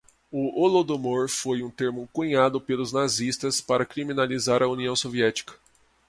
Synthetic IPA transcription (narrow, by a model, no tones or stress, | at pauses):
ʊolod̪omoɾfojũt̪eɾmʊkuɲad̪ʊpelʊznazist̪ɐspaɾɐkɾiminalizaɾɐuniɐ̃w̃soviɛt͡ʃi̥kɐ̥